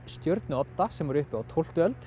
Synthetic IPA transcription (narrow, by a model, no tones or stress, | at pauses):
st̪jœɾt̪nʏɔt̪ːasɛmvɔɾʏhpɪawt̪ʰowl̥t̪ʏœlt̪